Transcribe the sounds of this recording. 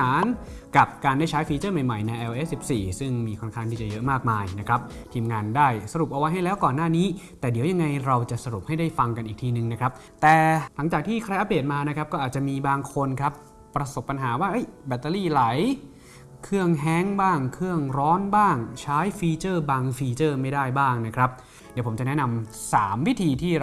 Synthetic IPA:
aː˩˦nka˨˩p̚kaː˧ndaː˥˩jt͡ɕʰa˦˥jfiː˧t͡ɕɤː˥˩ma˨˩jma˨˩jna˧jʔɛ˧ʔeː˦˥ssi˨˩p̚siː˨˩sɯ˥˩ŋmiː˧kʰo˧nkʰaː˥˩nt̪ʰiː˥˩t͡ɕa˨jɤ˦˥ʔmaː˥˩k̚maː˧jna˦˥kʰɾa˦˥p̚t̪ʰiː˧mŋaː˧ndaː˥˩jsa˧ɾu˨˩p̚ʔa˧wa˦jɦa˥˩jlɛː˦˥wkɔː˨˩nːaː˥˩niː˦˥t̪ɛː˨˩di˩˦wja˧ŋːa˧jɾa˧wt͡ɕa˨˩ʔsa˧ɾu˨˩p̚ha˥˩jdaː˥˩jfa˧ŋka˧nʔiː˨˩k̚t̪ʰiː˧nɯ˨ŋna˦˥kʰɾa˦˥p̚ | t̪ɛː˨˩la˩˦ŋt͡ɕaː˨˩k̚t̪ʰiː˥˩kʰɾa˧jʔa˦˧p̚deː˨˩t̪̚maː˧na˦˥kʰɾa˦˥p̚kɔː˥˩ʔaː˨˩t̪̚t͡ɕa˨˩miː˧baː˧ŋkʰo˧nkʰɾa˦˥pː | ɾa˧so˨˩pːa˧nɦaː˩˦waː˥˩ʔɤ˦˥˩jbɛ˨˩t̪ːa˧liː˥˩la˩˦j | kʰɯ˥˩əŋɦɛ˦˥ŋbaː˥˩ŋkʰɯ˥˩əŋɾɔː˦˥nbaː˥˩ŋt͡ɕʰaː˦˥jfiː˧t͡ɕɤː˥˩baː˧ŋfiː˧t͡ɕɤː˥˩ma˥˩jdaː˥˩jbaː˥˩ŋna˦˥kʰɾa˦˥p̚ | diː˨˦pʰo˩˦mt͡ɕa˨˩nɛ˦˥na˧msaː˩˦mwi˦˥t̪ʰiː˧t̪ʰiː˥˩

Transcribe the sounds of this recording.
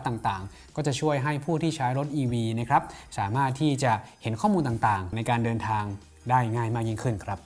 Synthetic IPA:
t̪aː˨˩ŋt̪aː˨˩ŋ | kɔː˥˩t͡ɕa˨˩ʔt͡ɕʰu˥˩əjɦa˥˩jpʰuː˥˩t̪ʰiː˥˩t͡ɕʰaː˦˥jɾo˦˥t̪̚ʔiː˧wiː˧na˦˥kʰɾa˦˥p̚saː˩˦maː˥˩t̪ʰːiː˥˩t͡ɕa˨˩he˩˦nkʰɔː˥˩muː˧nt̪aː˨˩ŋt̪aː˨˩ŋna˧jkaː˧ndɤː˧nt̪ʰaː˧ŋ | daː˥˩jŋaː˥˩jmaː˥˩k̚ji˥ŋkʰɯ˥˩nkʰɾa˦˥p̚

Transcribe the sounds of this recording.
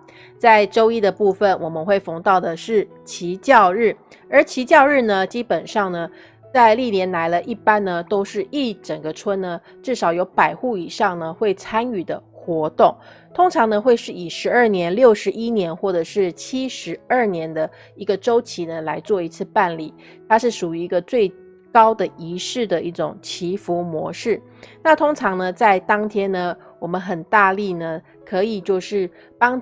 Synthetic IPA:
t͡sa˥˧ɪʈ͡ʂo˥ʊi˥d̪ə˨pu˥˩fə˩nwɔ˨˩mə˦nxwe˥˩ɪfɤ˧˥ŋt̪ɑ˥˩ʊd̪ə˩ʂɻ̩˥˩ | t͡ɕʰi˧˥t͡ɕjɑ˥˧ʊɻɻ̩˥˩ | ə˞˧˥t͡ɕʰi˧˥t͡ɕjɑ˥˧ʊɻɻ̩˥˩nə˩t͡ɕi˥pə˨˩nʂɑ˥˩ŋnə˩ | t͡sa˥˧ɪli˥˩njɛ˧˥nla˧˥ɪlə˧ʔi˥˩pa˥nnə˨t̪o˥ʊʂɻ̩˥˧i˥˩ʈ͡ʂə˨˩ŋɡə˦ʈ͡ʂʰwə˥nnə˨ | ʈ͡ʂɻ̩˥˩ʂɑ˨˩ʊjo˧˥ʊpa˨˩ɪxu˥˩i˨˩ʂɑ˥˩ŋnə˩xwe˥˩ɪt͡sʰa˥ny˨˩d̪ə˦xwɔ˧˥t̪ʊ˥˩ŋ | t̪ʰʊ˥ŋʈ͡ʂʰɑ˧˥ŋnə˧xwe˥˧ɪʂɻ̩˥˩i˨˩ʂɻ̩˧˥ə˞˥˩njɛ˧˥nljo˥˩ʊʂɻ̩˧˥ʔi˥njɛ˧˥nxwɔ˥˩ʈ͡ʂɤ˨˩ʂɻ̩˥˩t͡ɕʰi˥ʂɻ̩˧˥ə˞˥˩njɛ˧˥nd̪ə˧ | i˧˥ɡə˧ʈ͡ʂo˥ʊt͡ɕʰi˧˥nə˧la˧˥ɪt͡swɔ˥˧i˧˥t͡sʰɹ̩˥˧pa˥˧nlḭ˨˩ | t̪ʰa˥ʂɻ̩˥˩ʂu˨˩y˧˥i˧˥ɡə˧t͡swe˥˩ɪ | kɑ˥ʊd̪ə˨i˧˥ʂɻ̩˥˩d̪ə˩ʔi˥˩ʈ͡ʂʊ̰˨˩ŋt͡ɕʰi˧˥fu˧˥mwɔ̰˧˥ʂɻ̩˥˩ | na˥˨t̪ʰʊ˥ŋʈ͡ʂʰɑ˧˥ŋnə˧t͡sa˥˩ɪt̪ɑ˥ŋt̪ʰjɛ˥nnə˨ | wɔ˨˩mə˦nxə˨˩nt̪a˥˧li˥˩nə˩ | kʰɤ˧˥i˨˩t͡ɕjo˥˧ʊʂɻ̩˥˩ | pɑ˥ŋ

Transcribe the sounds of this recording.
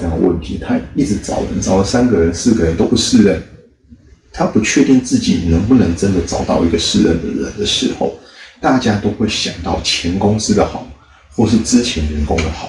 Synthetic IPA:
ɑ˥˩ŋd̪ə̰˨˧wə̰˥˩nt̪ʰi˨˥t̪ʰa˥i˥˩t͡s̩˧˥t͡sɑ̰˨˩ʊwə̰˧˦nt͡sɑ˨˩ʊlə˨˩sa˥nɡə˨˩ɻə˧˦nsɹ̩˥˩ɡə˨˩ɻə˧˦nt̪o˥ʊpu˧˥˩ʂ̩˥˧ɻə˥˩n | t̪ʰa˥pu˨˧˥t͡ɕʰɥɛ˥˧t̪i˥˧nt͡sɹ̩˥˩t͡ɕi˨˩nə˧˥ŋpu˥˩nə˧˥ŋʈ͡ʂə˦˥nd̪ə˨˩t͡sɑ˨˩ʊt̪ɑ˥˧ʊi˥ɡə˨ʂɻ̩˥˧ɻə̰˥˩nd̪ə̰˨ɻə̰˧˦nd̪ə˨ʂɻ̩˧˥xo˥˧˩ʊt̪a˥˨˩t͡ɕja˥t̪o˥ʊxwe˥˩ɪɕjɑ˨˩ŋt̪ɑ˥˩ʊt͡ɕʰjɛ˧˦nkʊ˥ŋs̩˥d̪ə˨xɑ˨˩˦ʊ | xwɔ˥˧ʂ̬ɻ̩˥˩ʈ͡ʂɻ̩˥t͡ɕʰjɛ˧˥nɻɛ˨˧˥nkʊ̰˥ŋd̪ə˨xɑ˨˩˦

